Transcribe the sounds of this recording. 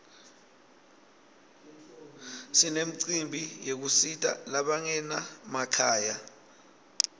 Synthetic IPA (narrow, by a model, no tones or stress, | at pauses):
sinem̩ǀimbʱijek̬usitʼa̰laɓaŋɛnamakʰaːja